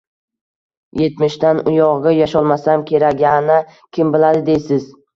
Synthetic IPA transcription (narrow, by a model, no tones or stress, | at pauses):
je̞t̪mɪʃt̪anʊjɒʁɨjaʃɒlˠmasamkʲʰe̞ɾaɡʲanɪ | kʲʰɪmbɪlad̪ɪd̪ejsɪz